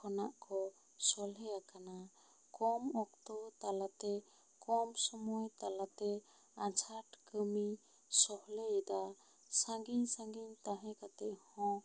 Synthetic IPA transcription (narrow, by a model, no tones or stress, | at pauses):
kʰɔnaʔkɔ | sɔlɦɛjakana | kɔmɔk̚t̪ɔt̪alat̪ɛ | kɔmsɔmɔjt̪alat̪ɛ | at͡ʃʰaʈkəmi | sɔhlɛɛd̪a | sãŋɡiɲsãŋɡiɲt̪aɦɛ̃kat̪ɛʔhɔ̃